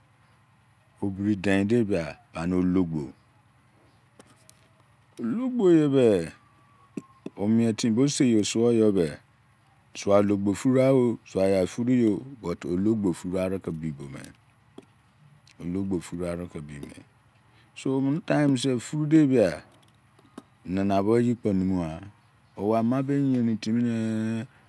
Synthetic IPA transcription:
o˨bi˨ɾi˨dɛ̃˨de˦bi˨a˨b̥a˨ñ˦o˨lo˦ɡ͡bo̰˨ | o˨lo˦ɡ͡bo˦˨je˨bɛ˦ | o˨mĩ˨ɛ˨tʰĩ˨bo˦se˦˨jo˨sʊ˦ɔ˦jɔ˦bɛ˨ | sʊ˨a˨lo˨ɡ͡bo˨fu˦ɾa˦wo˦sʊ˨a˨ja˨fu˦ɾu˦jo˨bɔ˨to˨lo˦ɡ͡bo˨fu˦ɾa˨ɾɨ˦kə˨bi˨bo˨mḛ˨ | o˨lo˦ɡ͡bo˨fu˦ɾu˦a˨ɾɨ˦kə˨bḭ˨mḛ˨ | so˨m̃˦n˦tã˦j̃m˦s̬e˦˨fu˦ɾu˦de˦bi˦a˨ | nə̃˨nã˨βo˦ji˦k͡pɔ̃˨nũ˦mũ˦a˨ | o˨wa˨mã˦be˦ɲ˦ẽ˨nĩ˨tĩ˦mĩ˦ne˦

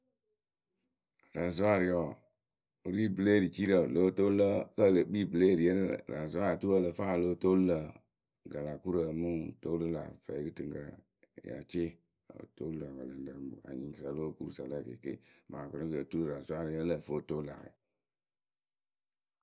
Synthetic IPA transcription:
ɾa˨zu˦a˦ɾi˨ɔ˨˦ | ɾi˦ble˦ɾi˨t͡ʃi˦ɾə˨lo˨˦to˦lə˦kə˦˨lə˨k͡pi˦˨ble˦˨ɾi˨ə˦ɾə̰˦˨ɾa˨zu˦a˦a˨tu˦ɾə˦˨lə˨fa˦˨lo˨˦to˦lə˨ | ɡa˨la˨ku˦ɾə˨mu˦to˦lə˦la̰˨fə̰˨i˦kɨ˦tɨ˨ŋkə˨ | ja̰˨t͡ʃe˦ | ə̰˨to˦lo˨a˨ɡa˨lə˨n˨də˨a̰˨ɲĩ˨ŋkə˨sa˨lo˦ku˦ɾu˦sa˨lə˦˨kḛ˨kḛ˦ma˨ko˨nõ˦kə˨tu˦ɾu˦˨ɾa˨zu˨˦a˦ɾi˨˦ɔ˦lə˦˨fo˦to˦la̰˨ɾḛ˨

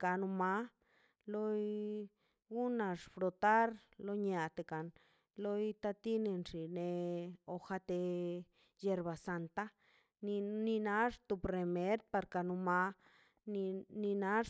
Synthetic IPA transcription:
ka˧nu˧ma˦ | lo˦j | ɡu˦na˧ʂfɾo˧t̪a˦ɾlo˦ɲa˨t̪e˧˨ka˨n | lo˦jt̪a˧t̪i˦ne˧nʐi˨ne˧o˧xa˧t̪e˧ | je˧ɾba˨sa˧nt̪a˦ | ni˧ni˧na˧˦ʐt̪u˧pre˧me˧˦ɾd̪̚pa˧ɾka˧nu˧ma˧˦˧ | ni˧na˦

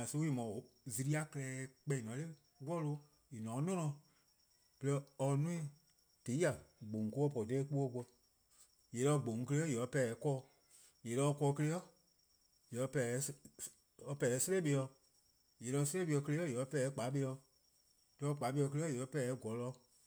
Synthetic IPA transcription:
a˨so˧˦i˨mɔ̃˨zi˧ɾi˦a˧kɛ˧lɛː˧˦k͡pɛ̃˧ĩ˨nɔ̃˨˦le˦ | wɔ˦lo˧ | i˨nɔ̃ː˨˦nɔ̃˦nɔ̃˧˨ | bə˨˧lɛ˧ɔ˧nũ˦ĩ˦˧ | te˨˦a˨ɡ͡bõ˨ŋ˨ko˧˦ɔ˦˨pɔ˨tɛ˦k͡pu˦ɔ˧˦k͡pɔ˧ | je˨lɔ˧˦ɡ͡bõ˨ŋ˨˧kə˧le˦ɔ˦jɛ˨ɔ˧˦pɛ˧ɛ˨˦kɔː˦˧ | je˨lɔ˧˦ɔ˧kɔː˧kə˧le˦ɔ˦ | jɛ˨˧˦pɛ˧˨˦ | ɔ˧pɛ˧ɛ˨˦se˦le˦ɓe˧jɔ˧ | je˨lɔ˧˦se˦e˦ɓe˧ɔ˧kə˧le˧˦ɔ˦je˨ɔ˧˦pɛ˧˨˦k͡pa˨˦ɓe˧ɔ˧˨ | lɔ˧k͡pa˨˦ɓe˧ɔ˧k̬ə˧le˦ɔ˦je˨ɔ˧˦pɛ˧˦˨ɡɔ˨lɔ˧˦

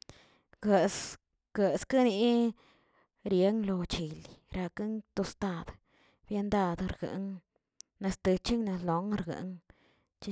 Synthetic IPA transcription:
ɡə˧s | ɡ̥ə˧ska˦ni˧ | ɾje˨˦ŋlo˧t͡ʃi˨li˨ɾa˧kɨ˦ŋt̪o˧st̪a˧d̪ | bje˧nd̪a˧d̪ɾɡɨ̰˨ŋ | na˧st̪ɨ˧t͡ʃi˦ŋna˧slo˨ŋ˧ɾɡɨ̰˨ŋ | t͡ʃi˦

